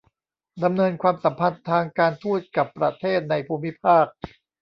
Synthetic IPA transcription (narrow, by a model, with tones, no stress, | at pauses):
da˧mnɤː˧nkʰwaː˧msa˩˦mpʰa˧nt̪ʰaː˧ŋkaː˧nt̪ʰuː˥˩t̪̚ka˨˩pːɾa˧˥t̪ʰeː˥˩t̪̚na˧jpʰuː˧mi˦˥pʰaː˥˩k̚